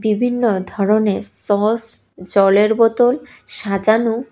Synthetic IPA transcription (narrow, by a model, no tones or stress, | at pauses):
bibʱinːod̪ʱɔɾonesɔɦs | d͡ʑɔleɾbɔt̪olʃad͡ʑanu